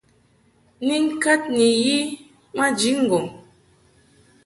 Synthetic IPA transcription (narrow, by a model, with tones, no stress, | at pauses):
ni˦ŋ̩˦ka˦t̚ni˨ji˦ | ma˦d͡ʒi˨˦ŋ̩˦˨ɡɔ˨ŋ